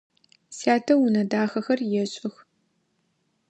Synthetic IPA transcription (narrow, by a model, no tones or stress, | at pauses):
saːtʰɐwunɐdaːxɐxɐrjɛɕʼɪx